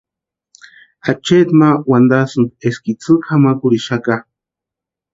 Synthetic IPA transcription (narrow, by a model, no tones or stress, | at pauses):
at͡ʃet̪mawand̪asɨnd̪eskit͡sɨkʰamakuɾiʃaka